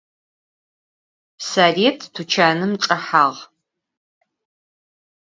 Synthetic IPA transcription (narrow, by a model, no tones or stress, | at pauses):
saːreːtʰtʰut͡ʃʰaːnɨmʈ͡ʂʼɐħaːʁ